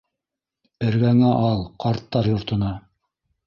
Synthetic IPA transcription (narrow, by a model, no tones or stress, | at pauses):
ɘ̆ɾɡæŋæʔɑlˠqɑɾt̪ːɑɾjŏɾt̪ɤ̆nɑ